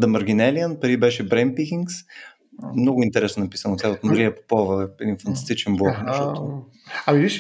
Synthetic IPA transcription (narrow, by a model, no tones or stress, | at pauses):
d̪ɐmɐɾɡʲinɛliənpɐɾibɛʃɛbɾɛn̚pikʲiŋks | mnɔɡʊint̪ɛɾɛsnonɐpisənot̪ʲaot̪mɐɾiəpo̥pɔvəɛd̪infɐnt̪ɐ̥st̪it͡ʃɛnblɔknʃɔʊ | ɐmiviʃ